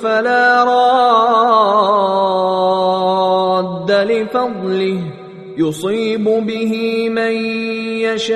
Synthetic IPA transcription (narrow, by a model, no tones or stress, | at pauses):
falaːɾˤɑː | d̪ːalɪfɑd̪ˤlɪ | jʊsˤiːbʊbɪɦɪmanjaʃa